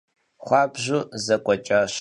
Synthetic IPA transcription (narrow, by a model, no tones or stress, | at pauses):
χʷɑːbʑuːzɐkʷʼɔt͡ʃʼaɕ